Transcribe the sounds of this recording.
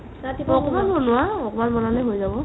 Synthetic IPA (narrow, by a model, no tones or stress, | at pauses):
atiɔkɔmanbɔnʊwaɔkɔmanbɔnalɛɦojzabɔ